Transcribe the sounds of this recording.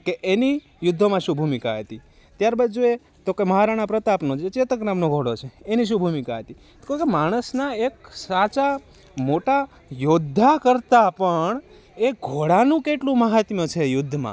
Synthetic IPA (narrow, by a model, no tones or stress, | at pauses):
keʔeni | jʊd̪ʱːomãʃũbʱumikaɦət̪i | t̪jaɾbəd͡ʒue | t̪okeməɦaɾaɽ̃apɾət̪apnõt͡ʃet͡ʃet̪əknamnoɡʱoɽot͡ʃʰeːniʃ̬ũbʱumikaɦət̪i | kekemaɽ̃əsnaek̚sat͡ʃa | moʈa | jod̪ʱːakəɾt̪apəɳ | eɡʱoɽanũkeʈlũməɦat̪mət͡ʃʰejʊd̪ʱːmã̰